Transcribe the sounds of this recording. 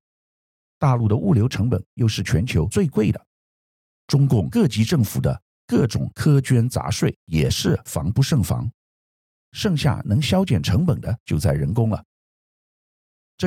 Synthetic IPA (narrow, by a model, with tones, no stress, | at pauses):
t̪a˥˧lu˥˩d̪ə˩ʔu˥˩ljo˧˥ʊʈ͡ʂʰɤ˧˥ŋpə̰˨˩˦njo˥˧ʊʂɻ̩˥˩t͡ɕʰɥɛ˧˥nt͡ɕʰjo˧˥ʊt͡swe˥˧ɪkwe˥˩ɪd̪ə˩ | ʈ͡ʂʊ˥ŋkʊ˥˩ŋkɤ˥˩t͡ɕi˧˥ʈ͡ʂɤ˥˩ŋfṵ˨˩d̪ə̰˦ | kɤ˥˩ʈ͡ʂʊ̰˨˩ŋkʰɤ˥t͡ɕɥɛ˥nt͡sa̰˧˥ʂwe˥˩ɪjɛ˨˩ʂɻ̩˥˩fɑ̰˧˥ŋpu˥˧ʂɤ˥˩ŋfɑ̰˧˥ŋ | ʂɤ˥˧ŋɕja̰˥˩nɤ˧˥ŋɕjɑ˥ʊt͡ɕjɛ˨˩nʈ͡ʂʰɤ˧˥ŋpə˨˩nd̪ə˦t͡ɕjo˥˧ʊt͡sa˥˩ɪɻə˧˥nkʊ˥ŋlə̰˨ | ʈ͡ʂ